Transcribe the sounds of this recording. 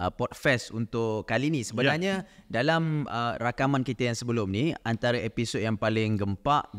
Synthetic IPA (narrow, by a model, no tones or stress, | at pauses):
əpɔt̪̚fɛsunt̪ʊʔkalinĩsəbənarɲadalamərakamãnkit̪əjaŋsəbəlʊmniant̪aɾaʔepisot̚jaŋpalɪŋɡəmpaʔ